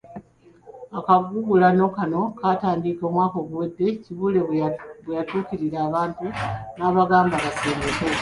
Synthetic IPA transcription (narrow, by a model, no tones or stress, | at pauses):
akaɡuɡulano̞kano̞kataːndiko̞ːmwaːko̞ːɡuwedːe̞ciβule̞βwejatuːkiɾiɾaːβaːntunaːβaɡaːmbaβaseːmeke